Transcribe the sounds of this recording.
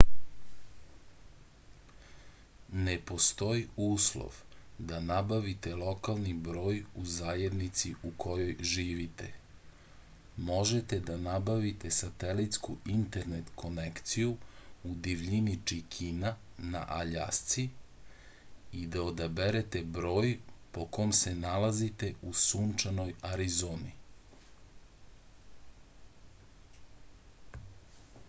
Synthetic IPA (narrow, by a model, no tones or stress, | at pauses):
nepo̞st̪o̞iuːslo̰ʋd̪anabaʋit̪e̞lˠo̞kalˠnibɾo̞ːjuzaːje̞d̪nit̪siukʰo̞jo̞jʒiːʋit̪ḛ | mo̞ʒet̪e̞d̪anabaʋit̪e̞sat̪elit̪skuint̪eɾnet̪kʰo̞nekt̪sijuud̪iʋʎinit͡ʃikʰina | na̰ʔaʎa̰st̪si | id̪aod̪abeɾet̪ebɾo̞ːjpo̞komse̞nalazit̪e̞usuːnt͡ʃanojaɾizoːni